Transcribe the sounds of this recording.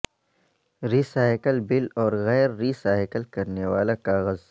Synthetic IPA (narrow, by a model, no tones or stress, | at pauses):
ɾiːsaːɪkəlbɪlɔːɾɣɛːɾːiːsaːɪkəlkɐɾneʋaːlakaːɣəz